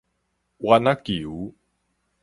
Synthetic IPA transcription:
wanakiu

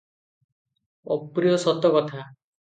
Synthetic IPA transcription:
ɔpɾijɔsɔt̪ɔkɔt̪ʰa

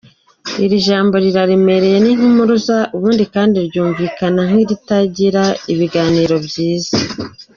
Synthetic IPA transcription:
iɾiʒaːmbo̞ɾiɾaɾime̞ɾe̞jeniŋ̥umuɾuzaʔuβuːndikaːndiɾɟuːɱviːkanaŋiɾitaɟiɾaiβiɡaːniːɾo̞bɟiːza

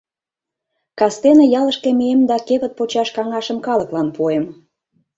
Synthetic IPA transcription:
kɑst̪enĕjɑlə̆ʃkĕmiemd̪ɑkeβə̆t̪̚pot͡ɕɑʃkɑŋɑʃə̆mkɑlə̆klɑnpuem

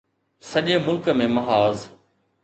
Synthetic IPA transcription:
sɐʄeːmʊlkəmẽmɐɦaːz

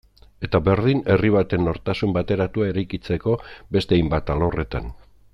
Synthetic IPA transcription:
e̞t̪aβe̞ɾð̞ine̞riβ̞at̪e̞nːo̞ɾt̪asumbat̪e̞ɾat̪uae̞ɾajkit͡se̞ko̞be̞st̪ejmbat̪alore̞t̪a̰n

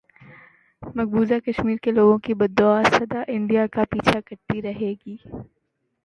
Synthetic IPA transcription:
mɐɡ̚buːzakɐʃmiːɾkeloːɡõkibɐd̪ːoaːsɐd̪aʔɪ̃ɳɖijakapiːt͡ʃʰakɐɾt̪iɾɐɦeːɡiː

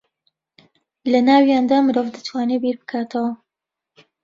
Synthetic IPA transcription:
lɐnaːwjaːnd̪aːmɨɾovd̪ɨt̪ʰwaːnebiɾbɨkʰaːt̪ʰɐwɐ

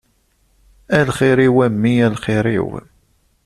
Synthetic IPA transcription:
ælχiɾiwæmːiælχɪɾḭw

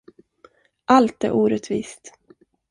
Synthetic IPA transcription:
ʔalt̪æɾʔuːɾɛt̪vḭːst̪

